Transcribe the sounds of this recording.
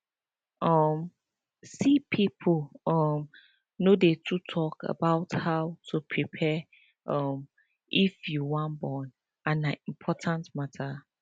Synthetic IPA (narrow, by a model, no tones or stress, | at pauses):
ʔɔm | sipʰipʰolɔm | nodetʰutʰɔkə̰baʊthawtʰupʰɹipʰɛ | ʔʌm | ifjuwɔ̃nbɔ̃n | ãnaĩmpʰɔtʰãntmatʰa